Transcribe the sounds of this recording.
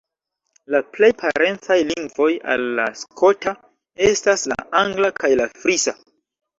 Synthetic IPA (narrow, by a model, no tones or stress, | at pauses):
laple̞jpʰaɾe̞nt͡sajliŋɡvo̞ja̰lːa̰skʰo̞ta | e̞stasla̰aŋɡlakʰajlafɾisa